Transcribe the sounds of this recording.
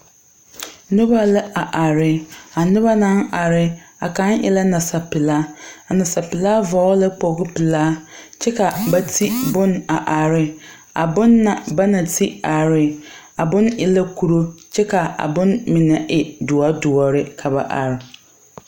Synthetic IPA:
nʊ˦ba˦lɪ˦a˨ʔa˨ɾɪ˦a˨nɪ˦ba˦nã˦na˨ɾɪ˦a̰˨ka˦nʔɪ̰˦la˦na˨sa˨pɪ˨laː˦a˨na˨sa˨pɪ˨laː˦vɔ˨˦lɪ˦k͡po˨˦ɡɪ˦pɪ˨laː˦t͡ʃɛ˦ka˨ba˦tʰi˦bʊ˦na˨ʔa˨ɾɪ˦ | a̰˨bʊ˦nːa˨ba˦na˨tʰi˦a˨ɾɪ˦ | a˨bʊ˦nɪ˨la˦ku˦ɾo˦t͡ʃɛ˦ka˨a̰˨bʊ̃˦nmɪ˨nɛ˨ʔɪ˨dʊ˨a˦dʊ˨ɔ˨ɾɪ˦kʰa˨ba̰˨ʔa̰˨ɾɪ˨

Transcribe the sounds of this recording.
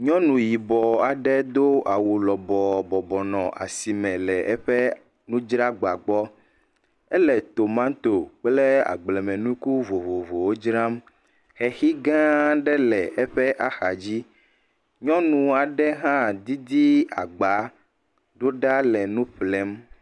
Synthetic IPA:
ɲɔ̃˦nũ˨ji˨bɔ˨a˨ɖɛ˦d̪o˦ʔa˨wu˨lɔ˨bɔ˨bɔ˨bɔ˨nɔ̃˨ʔa̰˨si˨mɛ̃˨lɛ˨ʔɛ˦ɸɛ˦ | nũ˦d͡ʒɾa˦ɡ͡ba˨ɡ͡bɔ˦ | ɛ˦lɛ˨t̪o˨mã˦t̪o˨k͡plɛ˦a̰˨ɡ͡blɛ˨mɛ̃˨nũ˦ku˦vo˨vo˨vo˨wo˦d͡ʒɾa˦m | xɛ˨xi˦ɡã˦ɖɛ˦lɛ˨ʔɛ˦ɸɛ˦ʔa˨xa˨d͡ʑi˦ | ɲɔ̃˦nũ˨a˨ɖɛ˦ɦã˦d̪i˦d̪i˦a̰˨ɡ͡ba˨˦ | ɖo˦ɖa˦lɛ˨nũ˦ɸlɛ˦m

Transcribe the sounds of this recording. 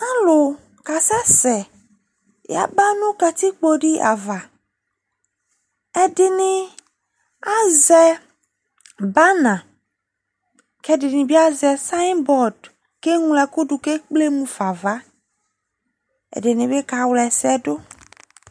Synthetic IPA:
ã˦lo˨ | ka˨sɛ˦sɛ˨ | ja̰˨ba˦nũ˦ka˨t̪i˦k͡po˦ɖi˦a̰˨va˨ | ɛ˨dɪ˨nĩ˨ | a˦zɛ˨ | ba˦nã˨ | kɛ˦dɪ˨nĩ˨bi˦a˦zɛ˨sa˦nbɔ˨d | ke˦ŋũ˨lɛ˨ku˦ɖu˨ke˦k͡ple˦mũ˨fa˨va˦ | ɛ̰˨dɪ˨nĩ˨be˦ka˨wlɛ˨sɛ˦do˦

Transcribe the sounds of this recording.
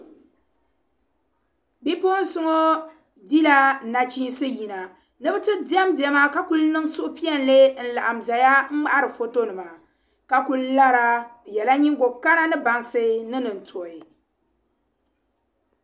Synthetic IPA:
bi˦po˦n̩˦sʊ˦ŋo˦ | di˦la˦˨na˨t͡ʃiː˦n˦sɨ˦ji˨na˨ | nɨ˦bɨ˦tɨ˦di˦ɛ˦mdɛ˦ma˦ka˦ku˦lnɨ˦ŋsʊ˦ʔʊ˦pi˦ɛ˦n˦le˦n̩˦la̰˨ʔa˨mza˨ja˦m̩˦ma˦ʔa˦ɾɨ˨fo˦to˦nɨ˨ma˨ | ka˦ku˦lla˦ɾa˦jɛ˨la˦ɲi˦ŋɡo˨ka˦na˦nɨ˦ba˨ŋsɨ˦nɨ˦nɨ˨n̩˨tʰo˨ɪ˨

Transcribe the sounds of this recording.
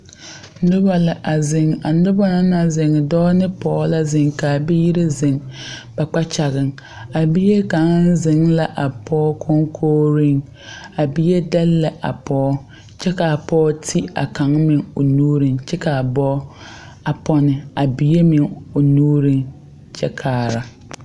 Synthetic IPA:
nʊ˦ba˨lɪ˨ʔa˨zɪ˨ŋa˨nʊ˦ba˦na˦na˨zɪ˨ŋ˨dɔː˦nɪ˦pɔː˦la˦zɪ˨ŋkaː˨bɪ˦ji˦ɾɪ˦zɪ˨ŋb̥a˨k͡pa˦t͡ʃa˨ɣɪ˨ŋ | a˨bi˦je˦ka˨˦ŋ˦n˦zɪ˨ŋla˦ʔa˨pʰɔː˦kʰo˦ŋkʰoː˦ɾi˦ŋ | a˨bi˦je˦dɛ˦lːɛ˨ʔa̰˨pɔː˦ | t͡ʃɛ˦ka˨pɔː˦tʰi˦a̰˨ka˨˦ŋmɪ˨ŋo˨nuː˦ɾi˨ŋt͡ʃɛ˦ka˨bɔː˦ | a˨pɔ˦nɪ˨a˨bi˨je˦mɪ˨ŋo˨nuː˦ɾi˦ŋ | t͡ʃʰɛ̰˦kʰaː˨ɾa˨

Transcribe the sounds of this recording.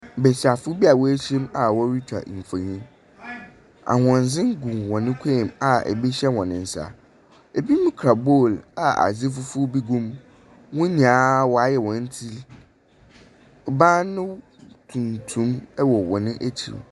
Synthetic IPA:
bɛ˨sa˨fʊ˦bi˦a˨wɔ˦e˦ɕi˦ma˨wɔ˦ɾi˦t͡ɕᶣʰa̰˨m̩˨fa˨ɲĩ˦m | a̰˨hɔ̃˨n˨zɪ̃˦ŋ˦ɡũ˨wɔ̃˨nɪ̃˦kʷʰe˦˨ma˨ɛ̰˨bi˦ɕɛ˦wɔ̃˨nɪ̃˨n̩˨sa̰˨ | e˨bi˦nʊ̃˦kʰɾa˨bo˦˨la˨a̰˨zi˦fʊ˦fʊ˦bi˦ɡũ˦m | wʊ̃˦ɲĩ˨a˦wɔ˨a˦jɛ˨wɔ̃˨n̩˦tʰi˦l | bã˦nʊ̃˦ | tʰũ˨ntʰũ˦mɛ˦wɔ˨wɔ˨nɪ̃˦ʔæ˦t͡ɕʰḭ˨

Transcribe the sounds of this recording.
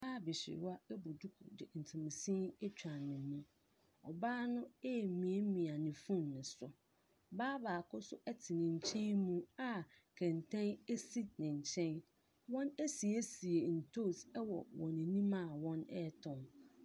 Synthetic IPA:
baː˦bɪ˨ɕɪ̰˨ɾa˦ɛ˦bʊ˨du˦kʰʊ̰˨dɪ̰˨n̩˨tʰũ˨m˨sĩ˦ɛ˦t͡ɕᶣã˨nːɪ̃˨mːũ˦ | ɔ̰˨baː˦nʊ̃˦e˦˨mĩ˨e˦mĩ˨a˨nɪ̃˨fũ˦nːɪ̃˨sʊ˦ | baː˦baː˨kʰʊ˦sʊ˦ʔɛ˦tʰɪ˨nɪ̃˨ɲ̩˨t͡ɕʰɛ̃˦nmũ˦a˦ | kʰɛ̃˨ntʰɛ̃˦ne˦si˦nɪ̃˨ɲ̩˨t͡ɕʰɛ̃˦n | wɔ̃˦ne˦si˨e˦si˨e˨n̩˨tʰo˦˨sɛ˦wɔ̰˨wɔ̃˨nɪ̃˨nĩ˦mãː˨wɔ̃˦nɛ̰˦tʰɔ̃˨n

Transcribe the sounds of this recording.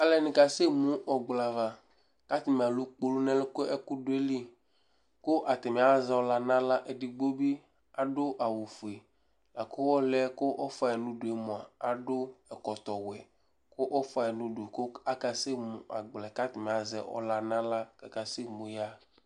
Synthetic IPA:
a˨lɛ˨nĩ˨ka˨se˦mũ˦ʔɔ˨ɡ͡bla˨va˨ | ka˦t̪i˨mĩ˨a˨lu˦k͡po˦lu˦nɛ̃˦le˦ko˦ɛ˦ku˦ɖo˦e˦li˦ | ko˦ʔa˨t̪ɛ˨mɛ̃˨˦a˦zɛ˦wɔ˦la˦nã˦la˦ʔe˨ɖi˨ɡ͡bo˦bi˦ | a˨ɖo˦ʔa˨wu˨fu˨e˨ | la̰˨ko˦wɔ˦lɛ˦ko˦ʔɔ˦fa˨e˨nũ˦ɖo˨e˨mɔ̃˨a˨a˨ɖo˦ɛ˨kɔ˨t̪ɔ˨wɛ˨ | ko˦ʔɔ˦fa˨ɛ˨nũ˦ɖo˨ko˦a˦ka˨se˦mṵ̃˨ʔa̰˨ɡ͡blɛ˨ka˦t̪i˨mẽ˨a˨zɛ̰˨ɔ̰˦la˨nã˦la˦ka˨ka˨se˦mũ˨ja˦

